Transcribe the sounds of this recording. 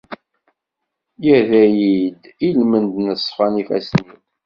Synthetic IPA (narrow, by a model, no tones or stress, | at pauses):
jæðæjid̪ | ilmənd̪nəsˤːfɑnifæ̰sniw